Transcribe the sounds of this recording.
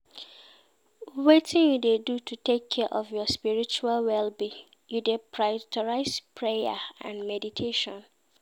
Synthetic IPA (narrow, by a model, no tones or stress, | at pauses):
wetʰɪ̃njudedutʰutʰekʰːɛʔɔvjɔspiɹit͡ʃualwɛlbi | judepʰɹajtʰɔɹaɪspʰɹeja̰ã̰nmɛditʰeʃɔ̃n